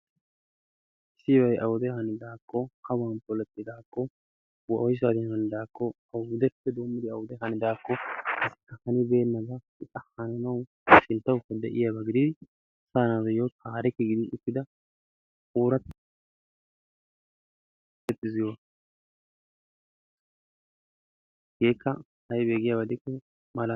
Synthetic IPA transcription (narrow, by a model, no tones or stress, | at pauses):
ɪsːɪwɐjʔɐwʊd̪ɛhɐnɪd̪aːkːɔhɐwaːnpɔlɛt̪ːɪd̪aːkːɔ | wɐʔɔjs̬ad̪ɪnhɐnɪd̪aːkːɔ | ɐwʊd̪ɛpːɛd̪oːmːɪd̪ɪɐwʊd̪ɛɦɐnɪd̪aːkːɔɐsɪ̥kːɐhɐnɪbe̞ːnːɐɡɐ | ɪkʼɐhɐnɐnɐw | ʃɪnt̪ːɐwkːɐd̪ɛ̰ʔɪjɐbɐɡɪd̪ɪd̪ɪ | saːnadɛjokʰaːɾɛkːɛɡɪd̪ɪʔʊkːɪd̪ɐ | uːɾɐt̪ | ɛt̪ʼːɪzɪjɔ | ɡ̥e̞ːkːɐ | hɐjbe̞ːɡɪjabɐd̪ɪkːɔ | mɐla